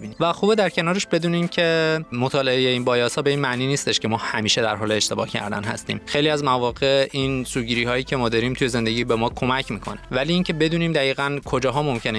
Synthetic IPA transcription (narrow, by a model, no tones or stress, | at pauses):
inivæxuːbed̪æɾcʰe̞nɒːɾeʃbe̞d̪uːnimcʰe̞mo̞t̪ʰɒːle̞ejeiːnbɒːjɒːsɒːbe̞iːnmæʔniːniːst̪e̞ʃcʰe̞mɒːhæmiːʃe̞d̪æɾɦɒːleːʃt̪e̞bɒ̰ːhcʰæ̰ɾd̪æ̰nɦæ̰st̪ḭːmxejliːæzmævɒːɣe̞insuːɟiːɾiːhɒːjiːcʰemɒːd̪ɒːɾiːmt̪ʰuje̞ze̞nd̪eɟiːbe̞mɒːkʰo̞mæcʰmiːkʰo̞̰nevæliːiːncʰe̞be̞d̪uːniːmd̪æiːɣænkʰo̞d͡ʒɒːɦɒːmo̞mcʰe̞n